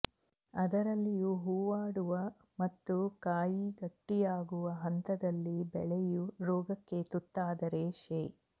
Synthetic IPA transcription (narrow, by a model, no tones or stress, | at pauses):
ɐd̪ɐɾɐlːijuɦuːʋaːɽuʋɐ | mɐt̪ːukaːjiɡɐʈːijaːɡuʋɐɦɐnt̪ɐd̪ɐlːibɛɭɛjuɾɔːɡɐkːe̞t̪ut̪ːaːd̪ɐɾeʃeː